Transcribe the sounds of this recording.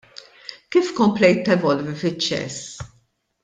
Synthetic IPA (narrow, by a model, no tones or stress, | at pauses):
kiːfkɔmplɛjt̪ːɛvɔlvifɪt͡ʃːɛ̰s